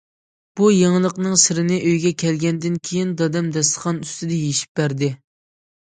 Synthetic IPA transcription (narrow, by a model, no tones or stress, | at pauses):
b̥ujeŋlˠəqnɨŋsɪɾɪnɪʔøjɡʲɛkʲʰɛlɡʲɛnd̪ɪnkʲʰejind̪ɑd̪ɛmd̪ɛst̪ə̥χɑnyst̪ɪd̪ɛjeʃi̥p̚bæɾd̪ɪ